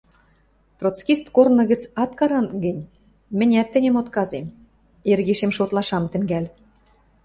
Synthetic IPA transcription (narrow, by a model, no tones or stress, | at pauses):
p̪rot͡skist̪kornɤ̆ɣɘ̆t͡sɑt̪kɑɾɑnɡɘ̆nʲ | mɘ̆nʲæt̪ːɘ̆nʲemot̪kɑzem | erɣeʃemʃot̪lˠɑʃɑmt̪ɘ̆ŋɡælʲ